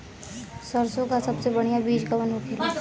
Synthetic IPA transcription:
səɾsõkasɐbsebɐɽ̤̃ijabiːd͡ʒkamənɦokʰɪɾo

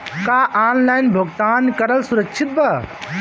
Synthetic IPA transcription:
kaʔanlajnbʱoɡt̪ankəɾəlsuɾəkt͡ʃʰit̪̚ba

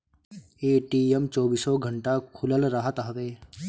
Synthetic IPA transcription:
eːʈiemt͡ʃɔːbiːsɔɡʱəɳʈakʰʊləlɾəɦət̪ɦəʋeː

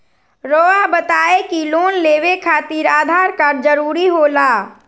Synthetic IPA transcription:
ɾoːabət̪aːekiloːnleːʋekʰaːt̪iɾaːd̪ʱaːɾkaːɾd͡ʒəɾuːɾiɦoːlaː

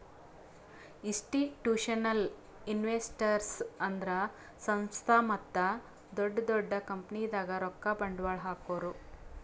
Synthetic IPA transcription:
isʈiʈjuːʂɐnɐl | inʋeːsʈɐɾsɐnd̪ɾɐ | sɐ̃ñst̪ʰaːmɐt̪ːɐ | d̪ɔɖːɐd̪ɔɖːɐkɐmpnijd̪aːɡɐɾɔkːabɐɳɖʋaːɭɦaːkoːɾu

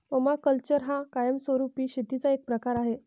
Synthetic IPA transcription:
məmakəlt͡ɕəɾɦakajəmsəɾupiːɕet̪it͡saek̚pɾəkaɾaɦe

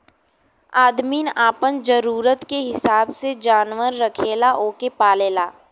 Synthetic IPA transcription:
aːd̪miːnaːpənd͡ʒəɾuːɾət̪keɦɪsaːbsed͡ʒaːnʋəɾːəkʰeːlaʔoːkepaːleːlaː

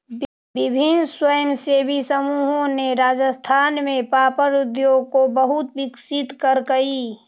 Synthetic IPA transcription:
bɪbʱɪnswəjəmseːbʱisəmuːɦõneɾaːd͡ʒəst̪ʰaːnmẽpaːpəɾʊd̪joːɡkobəɦʊt̪bɪksɪt̪kəɾkəi

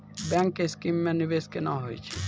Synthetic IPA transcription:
bɛŋkeskimːɛnyʋeskenaɦo̰jt͡ʃʰi

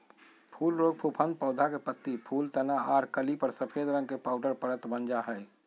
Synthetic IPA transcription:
pʰuːlɾoːɡ̚pʰupʰə̃nd̪̚pəʊd̪ʱakepət̪ːipʰuːlt̪ənaaːɾkəlipəɾsəpʰeːd̪ɾə̃ŋɡkepaːʊɖəɾpəɾət̪bənd͡ʒaɦɛː

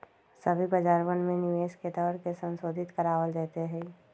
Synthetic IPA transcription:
səbʱibɐd͡ʒaːɾənmẽnɪʋeːʃket̪ɔːɾkesə̃nsoːd̪ʱɪt̪kəɾaːwəld̪ɛːt̪eɦɛː

